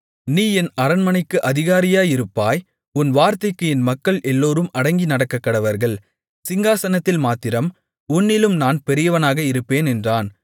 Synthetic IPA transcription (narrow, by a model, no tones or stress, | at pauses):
niːɛnɐɾɐnmɐnɐɪkːɯʔɐðɪɣaːɾɪjaːɪɾɯpːaːj | ʊnʋaːɾt̪ɐɪkːɯɛnmɐkːɐɭʔɛlːoːɾɯmɐɽɐŋɡinɐɽɐkːɐkːɐɽɐʋɐɾɣɐɭ | sɪŋɡaːsɐnɐt̪ːɪlmaːt̪ːɪɾɐm | ʊnːɪlɯmnaːnpɛɾɪjɐʋɐnaːɣɐɪɾɯpːeːnɛndraːn